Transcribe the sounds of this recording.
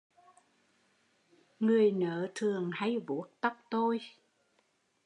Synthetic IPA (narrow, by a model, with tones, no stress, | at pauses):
ŋɨ˨˩əjnəː˨˦t̪ʰɨ˨˩əŋha˧jvu˨˦ət̚t̪a˦˥k͡p̚t̪o˧j